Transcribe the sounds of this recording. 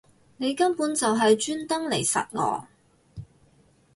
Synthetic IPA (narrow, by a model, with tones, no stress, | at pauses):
ne˨˧jkɐ˥mpuː˨˥nt͡sɐ˨wɦɐ˨jt͡ʃyː˥nt̪ɐ˥ŋle˨˩jsɐ̰˨t̚ŋɔ̰ː˨˧˥